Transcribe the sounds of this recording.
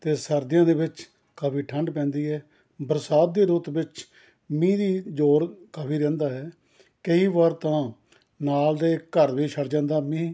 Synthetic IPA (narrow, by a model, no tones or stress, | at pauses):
t̪eːsəɾd̪ɪjãːd̪eːbɪt͡ʃ | kəbiːʈʰə̃ɳɖpɛ̃ːnd̪iːɦɛː | bəɾsaːt̪̚d̪eːɾuːt̪bɪt͡ʃ | mĩːd̪iːd͡ʒoːɾkəbiːɾɛ̃ːnd̪aːɦɛː | kəiːʋəɾt̪ãː | naːld̪eːkəɾʋiːʃʰəɾd͡ʒãːnd̪aːmĩː